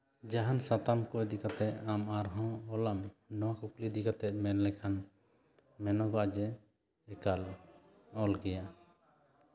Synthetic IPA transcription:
d͡ʒaɦansat̪amkɔjd̪ikat̪ɛʔamaɾɦɔ̃ɔlamnɔ̃akuklid̪ikat̪ɛʔ̪̚mɛnlɛkʰan | mɛnɔbaʔd͡ʒɛ | ɛkal | ɔlɡɛja

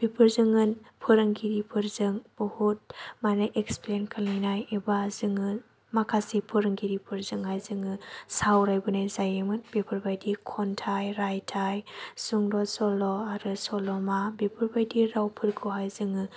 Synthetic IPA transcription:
b̥ipʰɯɾzɯŋɯnpʰɯɾɯŋɡiɾipʰɯɾzɯŋbɯhut̚manɯʔeksplenkʰalinajebazɯŋɯ | makʰasipʰɯɾɯŋɡiɾipʰɯɾzɯŋɦajzɯŋɯsawɾajbɯnajzajemɯnbipʰɯɾbajdikʰɔntʰajɾajtʰajsuŋdɔsɔlɔaɾɯsɔlɔmabipʰɯɾbajdiɾawpʰɯɾkʰɯɦajzɯŋɯ

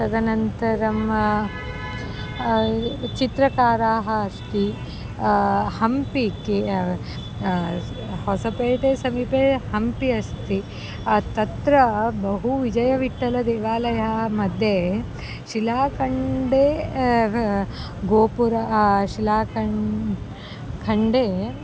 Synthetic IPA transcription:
sɐd̪ɐnɐnt̪ɐɾɐm | t͡ʃit̪ɾɐkaːɾaːɦɐːst̪i | hɐmpike | hɔsɐpeːʈeːsɐmipeːhɐmpiɐst̪ʰi | t̪ɐt̪ɾɐbɐɦuʋid͡ʒɐjɐʋiʈːɐlɐd̪eːʋaːlɐjɐɦɐɦɐmɐd̪ʱje | ʃilaːkɐɳɖeː | ɡoːpuɾɐʃilaːkɐ | kʰɐɳɖeː

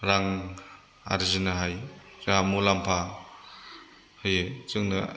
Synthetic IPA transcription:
ɾaŋ | a̰ɾizɯnɐɦajzamulampʰa | hɯjɯt͡ʃɯŋnɯ

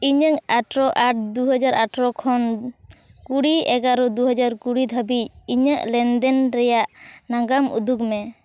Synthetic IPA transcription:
iɲəŋaʈɾɔʔaʈ̚d̪uɦɔd͡ʒaɾaʈɾɔkʰɔn | kuɽiɛɡaɾɔd̪uɦɔd͡ʒaɾkuɽid̪ʱəbic̚iɲəʔlɛnd̪ɛnɾɛjaʔnaɡamṵd̪ukmɛ

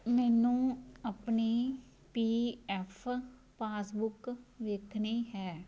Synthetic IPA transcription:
mɛːnũːapniː | piːɛːpʰ | paːsbʊkʋeːkʰniːɦɛː

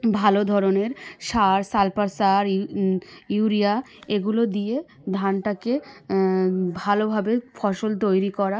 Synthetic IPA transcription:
bʱalod̪ʱɔɾoneɾʃaɾsalpaɾsaɾ | juɾia | eɡulod̪ije | d̪ʱanʈake | bʱalobʱabefʰɔʃolt̪̬ojɾikɔɾa

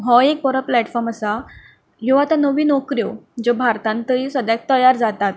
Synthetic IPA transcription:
ɦɔek̚pɔɾəplæʈfɔɾməsa | joat̪anəʋiːnɔkɾjod͡ʑɔbʱaɾt̪ãnt̪əɾiːsʋəd̪jak̚t̪əjaɾd͡zat̪at̪̚

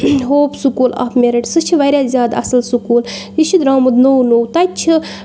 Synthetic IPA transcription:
ɦoːpʰsukuːlɐ̰pʰmeɾiʈsɨt͡ʃʰiʋɐɾʲjaːzʲjaːd̪ɐ̰sɐlsukuːljiʃʰid̪ɾaːmud̪nownowt̪ɐt͡ʃʰi

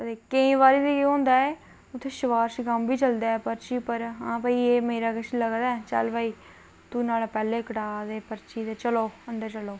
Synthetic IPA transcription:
ət̪eːkəĩːʋaːɾiːd̪ikeɦõːnd̪aːeː | ʊt̪ʰːeːʃɪʋaːɾsɡəmbiːt͡ʃəld̪aːɛːpəɾt͡ʃiːpəɾɦãːpəːiːeːmeːɾaːɡəʃʰləɡd̪aːɛt͡ʃə̰lʋaːiː | t̪uːnaːlapɛːleːkəʈaːd̪eːpəɾt͡ʃiːd̪eːt͡ʃəloːənd̪əɾt͡ʃəloː

